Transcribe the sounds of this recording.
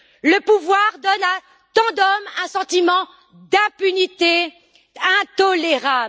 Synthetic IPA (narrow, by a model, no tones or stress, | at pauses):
ləpuvwaʁd̪ɔna | t̪ɑ̃d̪ɔmɛ̃sɑ̃t̪imɑ̃ | d̪ɛ̃pynit̪e | ɛ̃t̪ɔleʁab